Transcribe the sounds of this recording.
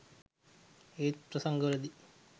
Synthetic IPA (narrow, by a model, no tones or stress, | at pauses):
eːt̪pɾɐsɐŋɡɐɾɐd̪i